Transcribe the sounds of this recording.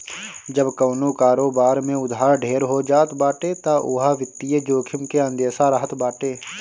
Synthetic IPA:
d͡ʒəbkəːnokaːɾoːbaːɾmẽʊd̪ʱɦaːɾɖʱeːɾɦod͡ʒaːt̪baːʈet̪aʔʊ̰ɦaʋɪt̪ːied͡ʒoːkʰɪmkeə̃nd̪eːsaɾəɦət̪baːʈeː

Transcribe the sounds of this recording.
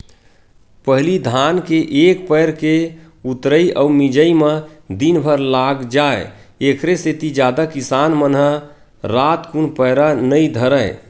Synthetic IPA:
pəɦlid̪ʱankeʔekpəjɾke | ut̪ɾəiʔɔumid͡ʒəimẽd̪inbʱəɾlaɡd͡ʒae | ekʰɾeset̪id͡ʒjad̪akisanmənɦə | ɾat̪kunpəɪɾanəid̪ʱəɾəɪ̃

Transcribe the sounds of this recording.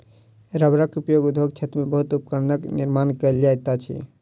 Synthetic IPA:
ɾəbɾakupjoɡud̪ʱoɡt͡ʃʰət̪ɾmẽbəɦut̪upkəɾnəkniɾmaːnkəld͡ʒajt̪at͡ʃʰḭ

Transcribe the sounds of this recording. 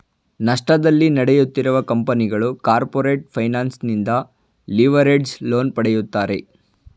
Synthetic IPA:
nɐʂʈɐd̪ɐlːinɐɽɛjut̪ːiɾuʋɐkɐmpɐniɡɐɭukaːɾpoːɾeːʈ̚pʰɐjnaːnsnind̪ɐ | liʋɐɾeɖsloːnpɐɽɛjut̪ːaːɾe̞

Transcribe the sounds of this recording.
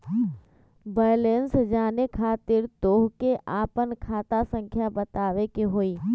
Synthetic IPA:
baːjlensd͡ʒaːnekʰaːt̪ɪɾt̪oːɦkeʔaːpənkʰaːt̪asə̃ŋkʰjabɐt̪aːʋekeɦoːiː

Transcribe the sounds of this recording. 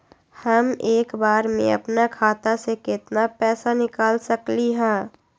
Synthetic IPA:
hɐmeːkbaːɾmḛ̃ɐ̰pnakʰaːt̪asekɪt̪napɛːsanɪkaːlsɐkliɦɛ̃ː

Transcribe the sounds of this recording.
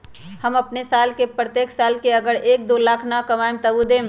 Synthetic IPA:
həməpnesaːlkepɾət̪eːksaːlkeəɡəɽeːk̚d̪oːlaːkʰnakəʋaɪmt̪əʋud̪ẽːm

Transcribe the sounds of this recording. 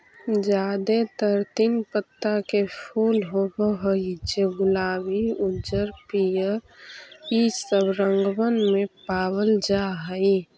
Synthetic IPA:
d͡ʒaːd̪et̪əɾt̪inpət̪ːakepʰuːlɦoboɦoid͡ʒebʊlaːwiʊd͡ʒəɾpijə | isəbɾəŋɡwənmẽpaːwəld͡ʒaɦəi

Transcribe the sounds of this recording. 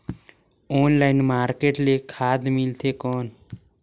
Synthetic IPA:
ɔːnlaːɪnmaːɾkeːʈlekʰaːd̪mɪlt̪ʰekɔːn

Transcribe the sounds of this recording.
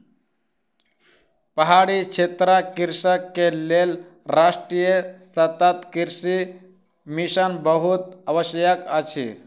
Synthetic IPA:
pəɦaɽikt͡ʃʰet̪ɾakiɾsəkːelel | ɾaʂʈɾijəsət̪ət̪kiɾsi | miʃənbəɦut̪̚əʋəɕjəkət͡ʃʰḭ

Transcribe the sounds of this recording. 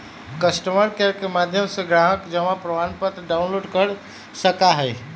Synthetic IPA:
kəsʈəməɾkɛɾkemad̪ʱjəmsə̃ɡɾaɦəkd͡ʒəmapɾəʋanpət̪ɾəɖawnloɖkəɾ | səkaɦəj

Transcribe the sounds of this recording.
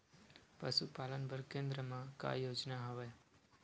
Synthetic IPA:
pəʃupalənbʱəɾkẽnd̪ɾəmãka̰jod͡ʒnaɦəʋa

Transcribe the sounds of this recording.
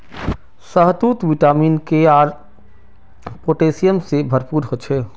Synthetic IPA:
səɦt̪uːt̪ʋiʈaːmiːnkeaːɾ | poːʈeːsijəmsebʱɐɾpuːɾɦoːt͡ʃʰeː

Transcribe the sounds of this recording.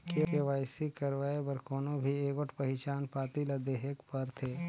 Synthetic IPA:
kepɪʋaːɪsikəɾʋaːebəɾkoːnõbʱieːkoʈpɐɦɪt͡ʃaːnpaːt̪ilad̪eːɦɪkpəɾt̪ʰeː

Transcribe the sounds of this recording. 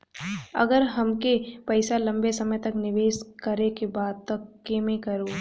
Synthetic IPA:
ɐ̰ɡəɾɦɐmkepɐɪsalɐ̃mbesɐməjt̪ɐknɪʋeːskɐɾekebaːd̪̚t̪ɐkːeːmẽkɐɾoː

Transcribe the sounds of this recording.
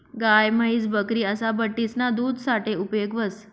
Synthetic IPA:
ɡajməɦiːd͡zbəkɾiːəsabəʈːisnad̪uːd̪ʱsaʈeupjoɡʋəs

